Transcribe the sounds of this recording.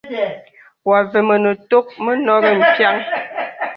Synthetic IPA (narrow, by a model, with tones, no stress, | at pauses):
wa˨ve˨mə˨nə˨to˦k̚mə˦nɔ˦ɣə˦m̩˨pja˦ŋ